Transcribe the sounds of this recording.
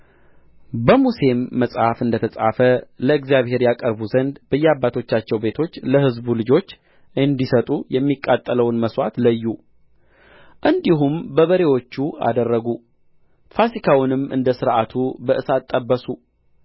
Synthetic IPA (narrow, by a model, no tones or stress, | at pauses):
bəmuse̞mːəsʼhafɨnd̪ət̪ʰəsʼa̰fələɨɡzjaβhe̞ɾjakʼəɾbuzənd̪b̥əjːɛabːat̪ʰo̞t͡ʃːat͡ʃːɛwbe̞t̪ʰo̞t͡ʃːləhɨzbulɨd͡ʒo̞t͡ʃː | ɨnd̪isət̪ʼujɛmːikʼːat̪ʼːələwnməswat̪ləjːu | ʔɨnd̪iɦumbəβəɾe̞wo̞t͡ʃːua̰d̪ərːəɡu | fasikʰawnɨmʔɨ̰nd̪əsɨɾʔat̪ʰubəʔɨsat̪ʼːəbːəsu